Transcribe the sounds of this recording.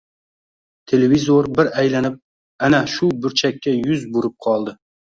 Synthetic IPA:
t̪ʰe̞levizoɾbɪɾajlanɪp̚ | anaʃʊbʊɾt͡ʃʰakʲʰːajʊzbʊɾɪp̚qʰɒlˠd̪ɪ

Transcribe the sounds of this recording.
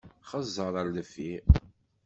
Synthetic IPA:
χəzˤːəɾˤəɾləfi

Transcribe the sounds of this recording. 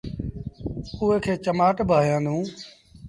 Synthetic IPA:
uːeːkʰeːt͡ʃəmaːʈbʱaːjãːd̪ʱũː

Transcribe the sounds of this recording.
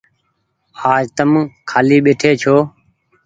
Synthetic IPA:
aːd͡ʒt̪əmkʰaːliːɓeːʈʰeːt͡ʃʰoː

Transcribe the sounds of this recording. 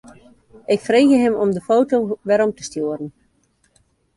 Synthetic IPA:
ʔɪkfreːɣəɦɪmɔmdəfowtowʋɛɾɔmtə̥stjuərən̩

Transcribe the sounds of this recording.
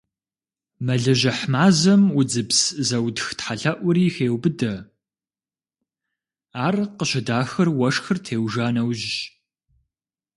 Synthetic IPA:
mɐɮɐʒɐħmaːzɐmʊd͡zɨpszɐwdxtħaɬɐʔʷʊɾiːxeːwbɨdɐ | aːrqəɕɪdaːxɨrwɐʂxɨrtʰeːwʒaːnɐwʒɕ

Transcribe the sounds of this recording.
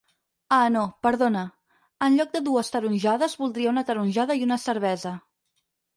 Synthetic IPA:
anopəɾðonə | ənʎɔk̚d̪əðuəst̪əɾunʲʒaðəzβulˠd̪ɾiəunət̪əɾunʲʒaðəiunəsəɾβ̞ɛzə

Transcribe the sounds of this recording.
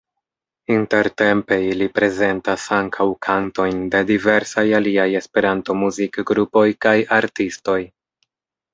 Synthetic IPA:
inte̞ɾte̞mpe̞ilipɾe̞ze̞ntasaŋkʰawkʰanto̞jnde̞dive̞ɾsajaliaje̞spe̞ɾanto̞muzikɡɾupo̞jkajaɾtisto̞j

